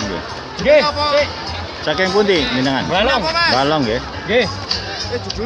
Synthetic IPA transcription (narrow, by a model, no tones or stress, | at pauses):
ŋɡḛ | ɡe | t͡ʃakɛŋpunt̪iminəŋanbalɔŋbalɔŋɡe | ɡe